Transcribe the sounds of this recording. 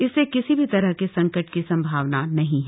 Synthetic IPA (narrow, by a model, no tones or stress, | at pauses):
ɪsːekɪsibʱit̪ɐɾəɦkesɐ̃ŋkəʈkisɐ̃mbʱaːʋnanɐɦĩɦɛ